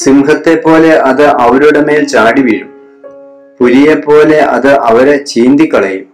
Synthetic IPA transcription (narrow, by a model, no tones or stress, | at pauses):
simɦɐt̪ːe̞pːo̞ːle̞ʔɐðɨʔɐʋɐɾuɽemeːlt͡ɕaːɽiʋiːɻum | puɾijepːo̞ːle̞ʔɐðɨʔɐʋɐɾet͡ɕiːnd̪ikːɐɭɐjum